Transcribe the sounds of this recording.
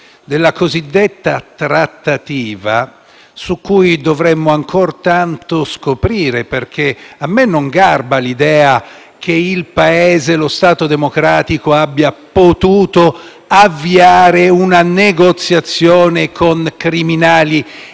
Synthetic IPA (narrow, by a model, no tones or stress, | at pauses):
d̪elːakozid̪ːet̪ːat̪ɾat̪ːat̪iːva̰ | sukːujd̪ovɾɛmːoaŋkoɾt̪ant̪oskopɾiːɾeperk̟ʰeamːenːoŋɡarbalid̪ɛːa | k̟ʰeilpaɛːzelost̪aːt̪od̪emokɾaːt̪ikoabːjapot̪uːt̪o | avːiaːɾeunaneɡot̪sːjat̪sːjɔːnekʰoŋkɾiminaːli